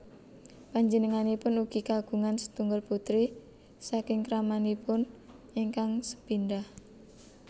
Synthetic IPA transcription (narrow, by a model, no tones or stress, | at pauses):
paɲd͡ʒənəŋanipʊnuɡ̥ikaɡ̥ṳŋansə̥t̪uŋɡʊlput̪ɾi | sakɪŋkɾamanipʊn | iŋkaŋsə̥pinɖah